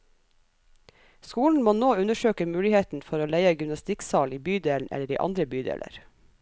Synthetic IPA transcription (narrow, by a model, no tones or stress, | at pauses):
skuːln̩moːnoːʉnəʃøːkəmʉːlɪheːt̪n̩fɔɾoːlæɪəɡʏmnɑst̪ɪksɑːliːbyːd̪eːln̩ʔɛ̰ləɾḭːʔɑ̰nd̪ɾəbyːd̪ḛːlə̰ɾ